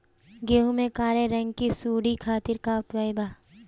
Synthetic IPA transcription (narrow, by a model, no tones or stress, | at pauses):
ɡeːɦumẽkaːɾeɾɐ̃ŋɡkisuːɽikʰaːt̪ɪɾkaʊpʋaːjɪbaː